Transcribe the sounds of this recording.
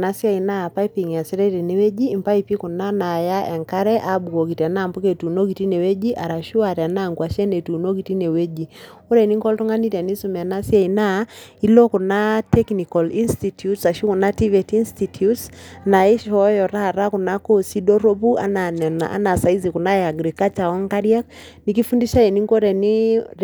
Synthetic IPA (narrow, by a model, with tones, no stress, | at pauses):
na˨sja˦i˨na˦a˨pa˦i˦pi˨ŋ˨a˨sɛ˦ɾɛ˦tɛ˨nɛ˦wɛ˦d͡ʒiː˦˨mpa˦i˨pi˦ku˨na˦na˨ja˦ʔɛ˨ŋka˦ɾɛ˦ʔa˦bu˨ko˨ki˨ta˨na˦˨mbo˦ke˨tu˨no˦k̬i˨ti˦nɛ˨we˦d͡ʒi˦ʔa˨ɾa˨ʃu˦a˨ɾɛ˨a˨na˦˨ŋɡwa˨ʃɛ˦ne˨tu˨no˦ki˨ti˦ne˨we˦d͡ʒi˨u˦ɾɛ˨ni˦ŋkɔ˦ltu˦ŋa˦ni˦tɛ˨ni˦su˦mɛ˨a˨na˦sja˦i˨na˦i˦lɔ˦ku˨na˦tɛ˦kni˨kɔ˨li˦nstitjutsa˨ʃu˦ku˨na˦ti˦vɛ˨ti˦nstitʰutsna˨ɛ˦ʃɔ˦jɔ˨ɾa˦˨ɾa˦ku˨na˦kɔ˦˨si˦ɗɔ˦ɾo˦pu˦ʔa̰˦na˨nɛ˨na̰a̰˦na˨sa˨i˦zi˨ku˨na˦ɛa˨ɡɾi˨ka˦t͡ʃa˨ɔ˦ŋka˦ɾi˦a˦k̚ni˨k̬i˦fu˦ndi˦ʃa˦ɛ˨ni˦ŋkɔ˦ɾɛ˨ni˦